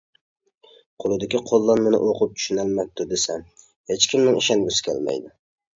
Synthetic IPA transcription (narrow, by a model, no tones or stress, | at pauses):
qʰolˠɨd̪ɪkʲiqʰolˠːɑnmɪnɪ̰ʔoqʰʊp̚t͡ʃʰy̥ʃynælmæp̚t̪ʊd̪esɛm | het͡ʃkʲimnɪŋiʃɛnbusɪ̥kʲʰæ̰lmɛ̰jd̪ɪ